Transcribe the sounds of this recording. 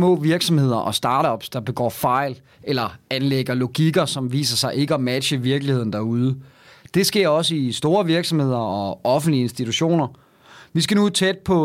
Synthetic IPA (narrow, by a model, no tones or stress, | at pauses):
mɔ̰̽ːʋiɐɡ̥sɒ̽mhe̝ð̞̰ˠɐʔɒ̽sd̥ɑ̈ːɾɒb̥sd̥ɑ̈b̥eɡ̥ɒ̰ːfɑ̈ɪ̰l | elɐænleɡ̥ɐlo̝ɡ̥iɡ̥ɐsɒ̽mʋḭːsɐsɑ̈ɪʔe̝ɡ̥əɒ̽mæd̥ɕəʋiɐɡ̥lihe̝ð̞̰ˠn̩d̥æɐuð̞ˠə | d̥e̝sɡ̥e̝ɐ̰ɒ̽səisd̥o̝ːɐʋiɐɡ̥sɒ̽mhe̝ð̞̰ˠɐɒ̽ɒ̽fn̩̥lie̝nsd̥it͡sʰuɕo̝̰ːnɐ | ʋis̬ɡ̥ænut͡sʰed̥̚pʰɒ̽